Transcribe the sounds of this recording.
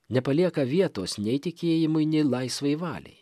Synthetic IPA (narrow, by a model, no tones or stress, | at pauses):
nʲɛpɐlʲiɛkɐʋʲiɛt̪oːsnʲɛɪt̪ʲɪkʲeːjɪmʊɪnʲɛlˠɐɪsʋɐɪʋɑ̰ːlʲɛ̰ɪj